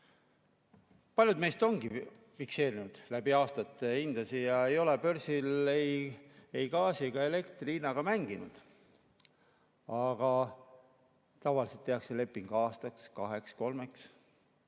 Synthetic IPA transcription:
pɑlʲjud̪me̞ːst̪o̞ŋɡ̥i | fikse̞ːɾinud̪̥læb̥iɑːst̪ɑt̪ːˑeind̪̥ɑsijɑe̞jo̞le̞pø̞ɾsilejejɡɑːsiɡ̥ɑe̞le̞kt̪riːnɑɡ̥ɑmæŋɡ̥inṵd̪̥ | ɑɡ̥ɑ | t̪ɑvɑlise̞lt̪ːˑe̞ɑkse̞le̞pːˑiŋɡ̥ɑːst̪ɑkskɑɦe̞ksko̞lme̞ks

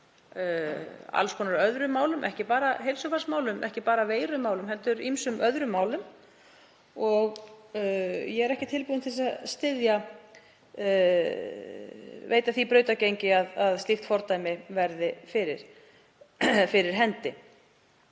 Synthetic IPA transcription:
a̰lskʰɔːnaɾœðɾʏmːaːwlʏmʔɛ̰hcɪpaːɾaɦejlsʏfasmaːwlʏmʔɛ̰hcɪpaːɾaveːjɾʏmːaːwlʏmɦɛlt̪ʏɾimsʏmʔœðɾʏmːawlʏm | ɔɣ | jɛɣɛɾɛhcɪt̪ʰɪlpuːðɪnθisaðst̪ɪðja | vḛːjt̪aθipɾœːɥt̪acejɲcɪaðaðst̪ift̪fɔɾt̪ajmɪvɛɾðɪfɪɾɪɾ̥ | fɪɾɪɾ̥ɦɛnt̪ɪ

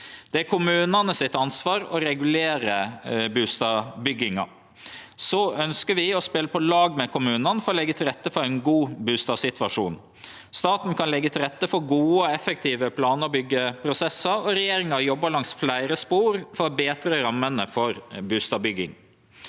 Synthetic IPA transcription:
d̪̥ɛæɾkʰʊmʉːnɑnəsɪt̪ɑnsʋɑːɾɔɾɛɡʉleːɾəbʉːst̪ɑbʏɡːɪŋɑ̰ | sɔœnskəɾʋɪɔspɛləpʰɔlɑːɡmɛkʰʊmʉːnɑnfɔɾɔlɛɡːət̪ʰɪlɾɛt̪ːəfɔɾæɪnɡuːbʉːst̪ɑːʋsɪt̪ʰʋɑʂuːn | st̪ɑːt̪n̩kʰɑnlɛɡːət̪ʰɪlɾɛt̪ːəfɔɾɡuːəɔɛfək̚t̪ʰiːʋəpʰlɑːnəɾbʏɡːəpʰɾʊsɛsəɾɔɾɛjeːɾɪŋɑjɔbːəɾlɑŋsflæɪɾəspuːɾfɔɾbeːt̪ɾəɾɑmːənəfɔɾbʉːst̪ɑːbʏɡːɪ̰ŋ

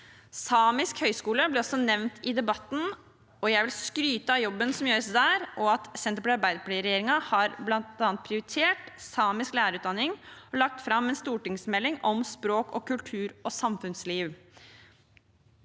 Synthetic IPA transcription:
sɑːmɪskhœʏskuːləblɪɾɔsːɔnɛʋnt̪ʰɪd̪ɛbɑt̪ːn̩ | ɔjæɪʋɪlskɾyːt̪əɑjɔbːənsɔmjøːɾəsd̪æːɾʔɔɑt̪sɛnt̪əpɔlɛɑɾbæɪd̪əpʰlɛɪɾɛjeːɾɪŋɑhɑɾblɑnt̪ɑːnt̪̚pʰɾɪʊɾɪt̪ʰeːʈsɑːmɪsklæːɾəʉːt̪d̪ɑnːɪŋɔlɑk̚t̪fɾɑmːɛnst̪uːʈɪŋsmɛlːɪŋɔmspɾoːkɔ̰kʉlʈ̪ʰʉːɾɔsɑmfʉnsliːʋ

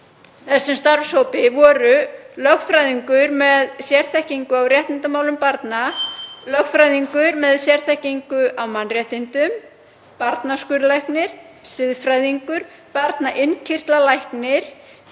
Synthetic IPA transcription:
θɛsːʏmst̪aɾfsowpɪvɔːɾʏlœxfɾajðiŋkʏɾmɛðsjɛr̥θɛhciŋkʏawrjɛht̪nɪnt̪amaːwlʏmpaɾt̪nalœxfɾajðiŋkʏɾmɛðsjɛr̥θɛhciŋkʏʔawmanrjɛht̪ɪnt̪ʏm | paɾt̪naskʏɾlajhknɪɾ̥ | sɪðfɾajðiŋkʏɾ̥ | paɾt̪naʔɪncʰɪr̥t̪lalajhknɪɾ̥

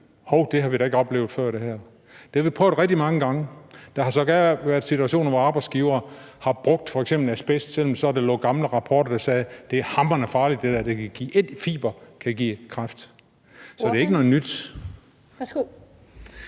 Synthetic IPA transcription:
hoʊd̥e̝ɦɑ̈ʋiɾ̥ɑe̝ɡ̥əɒ̽b̥le̝ːʊð̞̩ˠfɶɐ̰ɾe̝hæɐ̰ | d̥e̝æʋipʰɔœʊð̩ˠʁɛɡ̥̚d̥imɑ̈ŋəɡ̥ɑ̈ŋəd̥ɑɦɑ̈sɒ̽ɡ̥æɐʋæɐðˠsit͡sʰuæɕo̝̰ːnɐʋɒɑ̈ːb̥ɑ̈ɪsɡ̥iːʊɐː | hɑ̈b̥ʁɔ̽ɡ̥̚d̥fɒ̽eɡ̥semb̥l̩æsb̥esd̥sel̰m̩sɒæd̥elɔ̰̽ːɡ̥ɑ̈mləʁɑ̈pʰɒːɾ̥ɐd̥ɑ̈sɛːd̥e̝æhɑ̈m̥ɐnæɐfɑ̈ːlid̥d̥ed̥æd̥ekʰæɡ̥ḭːʔe̝d̥fḭːb̥ɐkʰæɡḭːkʰʁɑfd̥ | sɒ̽de̝e̝ɡənɔ̽ð̩ˠnyd̥

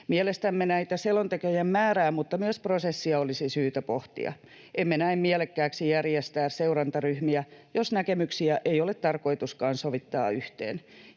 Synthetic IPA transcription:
miɛlest̪æmːenæit̪æselont̪ekøjæmmæːræːmmut̪ːɑmyøsprosesːiɑolisisyːt̪æpoht̪ḭɑ̰ | ʔemːenæimmiælekːæːksijærjest̪æːsseurɑnt̪ɑryhmiæjosnækemyksiæʔeiolet̪t̪ːɑrko̞it̪uskɑːnsoʋit̪ːɑ̰ːyht̪ḛːn

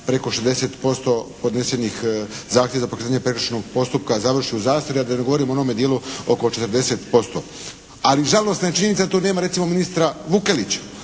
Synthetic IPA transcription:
pɾe̞ko̞ʃezd̪ese̞ːt̪po̞st̪o̞po̞d̪ne̞senixzaːxt̪jeazapokɾet̪aɲepɾe̞kɾot͡ʃnoɡpo̞st̪up̚kazaʋr̩ʃiuzaːst̪oɾiad̪aneɡo̞ʋo̞ɾimoonome̞d̪jeluo̞kot͡ʃet̪ɾd̪e̞set̪po̞st̪o̰ | aliʒalo̞st̪naet͡ʃiɲe̞nit̪ed̪at̪one̞ːmaɾe̞t̪simominist̪ɾaʋukelit͡ɕḁ

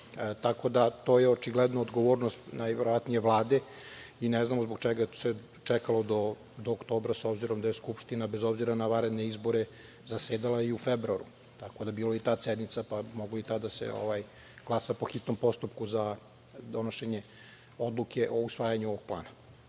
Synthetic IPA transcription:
t̪ako̞d̪at̪o̞ːjeot͡ʃiɡled̪nood̪ɡoʋo̞ːɾnost̪najʋeɾoʋat̪nije̞ʋlˠaːd̪e̞ | ineznamozboɡt͡ʃɛɡae̥se | t͡ʃɛkalˠo̞d̪o̞ | d̪oːkt̪o̞ːbɾasobziɾo̞md̪aje̞skupʃt̪inabezo̞bziɾanaʋaɾed̪ne̞izbo̞ɾe | zaseːd̪alˠaiufebɾuaɾu | t̪ako̞d̪abiːloit̪aːsed̪nit̪sapamoɡloit̪ad̪asḛo̰ʋaj | ɡ̥lˠasapo̞xit̪no̞mpo̞st̪upkuza | d̪o̞noʃeɲe | o̞d̪lˠukʰe̞ʔo̞usʋaːjaɲuo̞ʋoɡ̚plˠa̰ːna

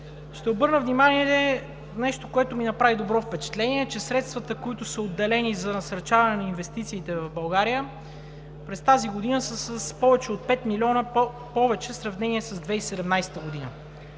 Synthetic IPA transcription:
ʃt̪ɛobɤɾnəvnimaniɛɛ | nɛʃt̪okoɛt̪ʊminɐpɾavid̪obɾɔfpɛt͡ʃɛ̥t̪lɛniɛt͡ʃɛsɾɛt̪st̪vɐt̪əkoit̪ʊsəod̪ːɛlɛnizɐnɐsɐɾt͡ʃavɐnɛnɐinvɛst̪it̪siːt̪ɛvɐvbɐlˠɡaɾijə | pɾɛst̪aziɡod̪inəsəsəspɔvɛt͡ʃɛot̪̚pɛt̪milʲiɔnə | pɔvɛt͡ʃɛsɾɐvnɛniɛsɐzd̪vɛisɛd̪ɛmnajsɛ̥t̪əɡod̪inə

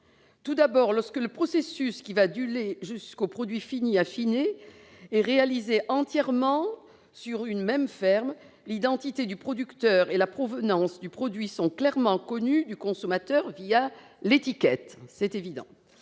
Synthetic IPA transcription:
t̪ud̪abɔʁlɔʁskələpχɔsesyskʲivad̪yleʒyskopχɔd̪ɥifiniafine | ɛʁealizeʔɑ̃t̪jɛʁmɑ̃ | syʁynmɛmfɛʁm | lid̪ɑ̃t̪it̪ed̪ypχɔd̪ykt̪œʁelapχɔvənɑ̃sd̪ypχɔd̪ɥisɔ̃klɛʁmɑ̃kɔnyd̪ykɔ̃sɔmat̪œʁvia | let̪ikʲɛt̪sɛt̪evid̪ɑ̰̃

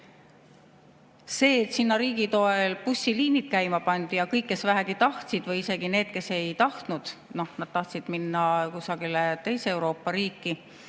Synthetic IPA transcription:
se̞ːet̪sinːɑɾiːɡ̥it̪o̞elpusʲːiliːnit̪̚kæjmɑpɑnd̪̥ijɑkɤjkːe̞svæɦæɡ̥it̪ɑht̪sid̪̥vɤjise̞ɡ̥ine̞ːd̪̥̚ke̞se̞jt̪ɑht̪nud̪̥no̞hnɑd̪̥̚t̪ɑht̪sid̪̥minːɑkusɑɡilet̪e̞jseewɾo̞ːpːɑɾiːkːˑi

